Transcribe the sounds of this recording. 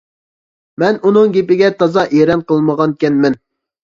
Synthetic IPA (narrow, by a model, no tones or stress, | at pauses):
mɛnunɨŋɡʲepɪɡʲɛt̪ʰɑzɑʔeɾɛnqəlˠməʁɑnkʲɛnmɛn